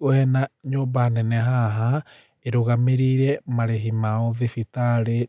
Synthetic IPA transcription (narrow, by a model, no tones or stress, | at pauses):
oɛnaɲoːbanɛnɛɦaɦa | eɾoɣameɾiɾɛmaɾeɦimaɔðifitaɾe